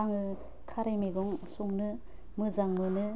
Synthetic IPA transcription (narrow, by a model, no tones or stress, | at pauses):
aŋɯ | kʰaɾejmeɡɔŋsuŋnɯ | mɯzaŋmɯnɯ